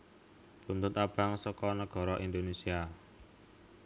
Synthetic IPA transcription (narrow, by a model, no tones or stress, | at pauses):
punt̪ʊt̪ab̥aŋsɔkɔnəɡ̥ɔ̤ɾɔʔind̪onesia